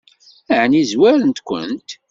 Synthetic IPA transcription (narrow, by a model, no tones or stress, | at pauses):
əʕənizwæɾənt̪kʷə̰nt̪